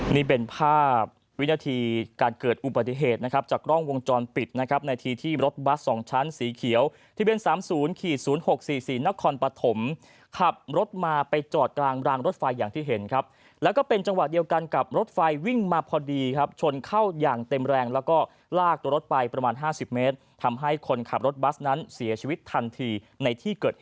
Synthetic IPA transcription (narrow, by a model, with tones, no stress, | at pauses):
niː˥˩p̬e˧npʰaː˥˩p̚ | wi˦˥naː˧t̪ʰiː˧kaː˧nkɤː˨˩t̪̚ʔu˨˩ba˨˩t̪ːi˨˩ɦeː˨˩t̪̚na˦˥kʰa˦˥p̚t͡ɕaː˨˩kɾɔ˥˩ŋwo˧ŋt͡ɕɔː˧npi˨˩t̪̚na˦˥kʰɾp̚na˧jt̪ʰiː˧t̪ʰiː˥˩ɾo˦˥t̪̚wa˦˥t̚sɔː˩˦ŋt͡ɕʰa˦˥nsiː˩˦kʰi˨˩˦əw | t̪ʰa˧bi˧ənsaː˩˦msuː˩˦nkʰiː˨˩suː˩˦nho˨˩k̚siː˨˩siː˨˩na˦˥kʰɔː˧npa˧t̪ʰo˩˦m | kʰa˨˩p̚ɾo˦˥t̪̚maː˧pa˧jt͡ɕɔː˨˩t̪̚klaː˧ŋɾaː˧ŋɾo˦˥t̪̚fa˧jːaː˨˩ŋt̪ʰiː˥˩ɦe˩˦nkʰɾa˦˥p̚ | lɛː˦˥wkɔː˥˩pe˧nt͡ɕa˧ŋwa˨˩i˧əwka˧nka˨˩p̚ɾo˦˥t̪̚fa˧jwi˥˩ŋmaː˧pʰɔː˧diː˧kʰa˦˥p̚t͡ɕʰo˧nkʰa˥˩wjaː˨˩ŋt̪e˧mɾɛː˧ŋlɛː˦˥wkɔː˥˩ | laː˥˩k̚t̪u˧ɾo˦˥t̪̚fa˧jpɾa˧maː˧nɦaː˥˩si˨˩p̚meː˦˥t̪̚ʰa˧mɦa˥˩jkʰo˧nkʰa˨˩p̚ɾo˦˥t̪̚ba˦˥sna˦˥nsi˩˦t͡ɕʰi˧wi˦˥t̪ʰːa˧nt̪ʰiː˧ | na˧jt̪ʰiː˥˩kɤː˨˩t̪̚